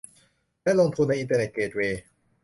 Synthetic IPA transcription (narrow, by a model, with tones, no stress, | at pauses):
lɛː˥˨lo˧ŋt̪ʰu˧nːa˧jʔi˧nt̪əː˧ne˨˩t̪̚keː˨˩t̪̚weː˧